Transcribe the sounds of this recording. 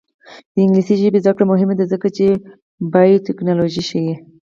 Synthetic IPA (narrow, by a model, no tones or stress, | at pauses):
d̪̥əɪŋɡlisiʒɪbezakɽamʊɦɪmed̪azəkat͡ʃe | baitɪknɑloʒiʃəwi